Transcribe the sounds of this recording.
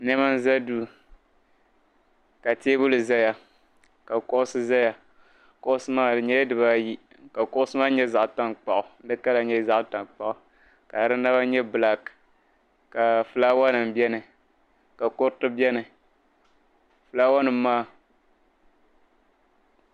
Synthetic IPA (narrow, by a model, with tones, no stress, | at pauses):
nɛ˦ma˦n˦za˦duː˦ | ka˨teː˦bʊ˦lɨ˨za˦ja˨ | ka˨kɔ˦ʔʊ˦sɨ˦za˦ja˨ | kʊ˦ʔʊ˦sɨ˦maː˦ɲɛ˦dɨ˨ba˦ji˦ | ka˨kʊ˦ʔʊ˦sɨ˦maː˦ɲɛ˦za˨ʔta˦nk͡pa˨ʔʊ˨n̩˦dɨ˦ka˦la˨ɲɛ˦za˦ʔta˨nk͡pa˦˨ʔʊ˨ | ka˨ɾɨ˦na˦ba˦ɲɛ˦bɨ˨la˨k | ka˨fɨ˨laː˦wa˦nɨ˨m˨bɛ˦nɨ˨ | ka˨ko˦ɾtɨ˦bɛ˦nɨ˨ | fɨ˨laː˦wa˦nɨ˨m˦maː˦